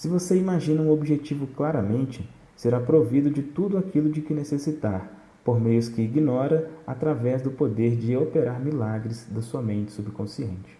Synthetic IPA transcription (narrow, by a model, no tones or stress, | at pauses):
sɪvoseimaʒĩnɐũobiʒet͡ʃivʊklaɾɐmẽnt͡ʃɪ | seɾapɾovid̪ʊd͡ʒɪt̪ud̪ʊakʰilʊd͡ʒɪkɪnesesit̪aɾ | poɾmejʊskɪiɡinɔɾɐat̪ɾavɛzd̪ʊpod̪eɾd͡ʒɪopeɾaɾmilaɡɾɪzd̪ɐsuɐmẽnt͡ʃɪ̥subɪkõsiḛ̃nt͡ʃɪ̥